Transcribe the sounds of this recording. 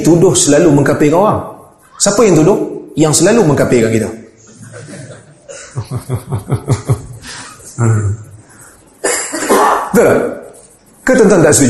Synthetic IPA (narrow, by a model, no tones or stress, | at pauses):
t̪udʊhsəlaluməŋkapekawaŋ | sapəjaŋt̪udʊhjaŋsəlaluməŋkapekankit̪ə | ə | t̪əla | kət̪ənt̪aŋdaʔsiɡə